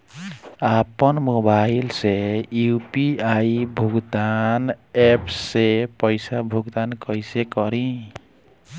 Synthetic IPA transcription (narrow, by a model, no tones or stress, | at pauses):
apʌnmobailseupiajbʱuɡd̪anepʰsepʌjsabʱuɡd̪ankʌjsekʌɾĩ